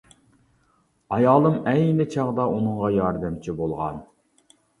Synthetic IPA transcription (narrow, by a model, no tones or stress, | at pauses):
ɑjɑːlˠɨmɛjnɪt͡ʃʰɑʁd̪ɑʔunɨŋʁɑjɑɾd̪ɪmt͡ʃʰibolˠʁɑ̰n